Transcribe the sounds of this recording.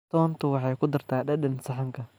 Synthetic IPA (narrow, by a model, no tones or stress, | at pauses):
t̪ʰɔːnt̪ʰʊwɑħɑːjkʰʊd̪ɐrt̪ʰaːɗɐɗɐnsɐħɑŋkʰɐ